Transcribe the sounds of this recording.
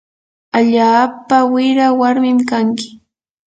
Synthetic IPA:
aʎaːpawɪɾawaɾmɪmkaŋkɪ̥

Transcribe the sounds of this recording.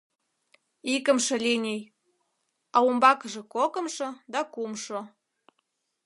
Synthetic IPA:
ikə̆mʃɤ̆lʲenʲej | ɑumbɑkəʒĕkokə̆mʃɤ̆d̪ɑkumʃo

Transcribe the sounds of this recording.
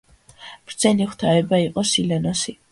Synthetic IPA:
b̥ɾd̪z̥ɛniχt̪ʰaɛbaiqʼɔsilɛnɔsi

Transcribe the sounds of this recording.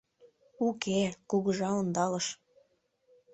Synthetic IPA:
ukekuɣəʒɑond̪ɑləʃ

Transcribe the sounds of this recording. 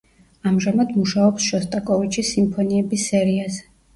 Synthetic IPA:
amʒamad̪muʃaɔpsʃɔst̪ʼakʼɔvit͡ʃʰisimpʰɔniɛbisɛɾiazɛ

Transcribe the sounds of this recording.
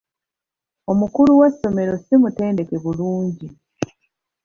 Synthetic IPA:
o̞mukuluwesːo̞me̞ɾo̞simute̞ːnde̞ke̞βuluːɲɟi

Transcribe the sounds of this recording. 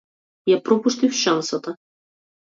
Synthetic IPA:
japɾɔpuʃt̪ɨwʃansɐt̪ɐ

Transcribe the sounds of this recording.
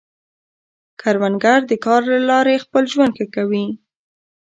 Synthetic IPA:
kʰaɾwanɡaɾd̪əkɑɾlalɑɾexpəlʒwand̪kekawi

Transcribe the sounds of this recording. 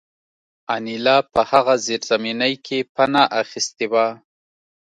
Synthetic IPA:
anilɑpəhaɣazeɾz̥aminajkʰepanaʔaxist̪ewa

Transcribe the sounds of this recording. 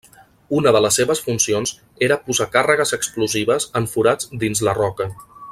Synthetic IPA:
unəðələsːeβəsfunsionz | eɾəpuzakarəɣ̞əzəkskluziβəzəɱfuɾad͡zd̪inzlərɔkə

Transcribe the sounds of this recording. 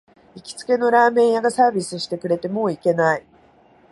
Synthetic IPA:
ikʲi̥t͡sɨ̥ke̞no̞ɾaːmẽ̞ɰ̃jaɡasaːbʲisɨɕi̥t̪e̞kɯ̟ɾe̞t̪e̞mo̞ːike̞nai

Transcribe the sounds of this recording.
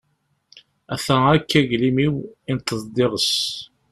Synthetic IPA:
æθæækːæʝlimiwint̪ːəzˤd̪ˤeʁəs

